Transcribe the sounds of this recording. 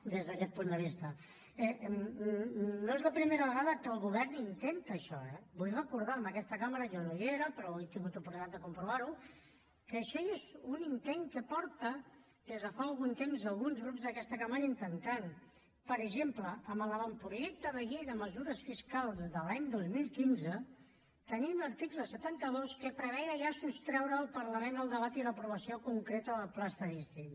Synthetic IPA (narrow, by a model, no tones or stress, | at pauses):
d̪ezðəkɛt̪̚pund̪əβ̞ist̪ə | ɛ | noezləpɾimeɾəβəɣaðəkəlˠɣuβɛrnint̪ent̪əʃɔɛbulɛwəkuɾð̞aəməkɛst̪əkaməɾəjɔnoieɾəpəɾɔet̪iŋɡut̪upuɾt̪at̪d̪əkumpɾuβaɾu | kəːʃɔezunint̪eŋkəpɔɾt̪ə | ð̥ezðəfaəlˠɣ̞unt̪emzəlˠɣunzɣɾupzðəkɛst̪əkəmanint̪ənt̪an | pəɾəʒempləːmələβampɾuʒɛk̚t̪əðəʎejðəməzuɾəsfiskalˠzðəlaɲd̪ozmilˠkinzə | t̪əniəɾt̪ikləsət̪ant̪əðoskəpɾəβɛjəʒasust̪ɾɛwɾəːlˠpəɾləmenəlˠd̪əβat̪iləpɾuβəsiokuŋkɾet̪əðəlˠplast̪əɾist̪in